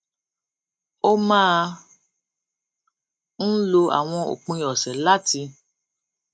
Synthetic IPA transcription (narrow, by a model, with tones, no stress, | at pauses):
o˦mãː˦˧ | n̩˦lo˧a̰˨w̃ɔ̃˧o̰˨k͡pũ˧jɔ˨sɛ˨la˦ti˧